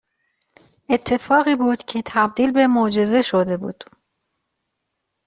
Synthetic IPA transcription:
ʔe̞t̪ʰːe̞fɒːɣiːbuːd̪̥cʰet̪ʰæb̚d̪iːlbe̞mod͡ʒe̞ze̞ʃod̪e̞bṵːd̪̥

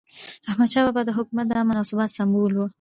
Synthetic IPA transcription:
ahmad̪ʃɑbabad̪əɦʊkumat̪̚d̪əamʊnɑsɪbɑt̪sambolwu

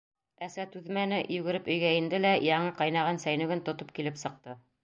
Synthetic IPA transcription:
æsæt̪ʉðmænɘjʉɡɘ̆ɾɘpɵ̆jɡæind̪ɘlæjɑɴɤqɑjnɑʁɤnsæjnɵ̆ɡɘnt̪ŏt̪op̚kilɘpsɤ̆q̚t̪ɤ

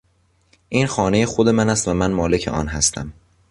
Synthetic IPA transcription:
ʔiːnxɒːne̞jexo̞d̪e̞mænæst̪væmænmɒːle̞cʰe̞̰ʔɒ̰ːnɦæst̪ʰæ̰m

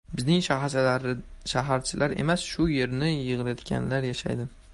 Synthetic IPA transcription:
bɪznɪŋʃaɾʃaɦaɾt͡ʃʰɪlʔaɾe̞̰masʃʊje̞ɾnɪjɨʁɨlajɒt̪kʲʰa̰nlaɾjaʃa̰jd̪ɪ

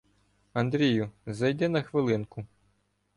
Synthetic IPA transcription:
ɐnd̪ɾʲijʊzɐjd̪ɛnɐxʋɪlˠɪnkʊ

